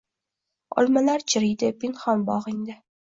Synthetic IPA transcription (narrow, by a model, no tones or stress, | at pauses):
ɒ̰lˠmalaɾt͡ʃʰɪɾɪjd̪ɪpɪnχɒnbɒʁɪŋd̪ɪ